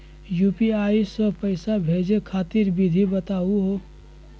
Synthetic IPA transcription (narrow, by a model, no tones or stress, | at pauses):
juːpiaːisə̃pəɪsabʱeːd͡ʒekʰaːt̪iɾbid̪ʱibət̪aːuɦoː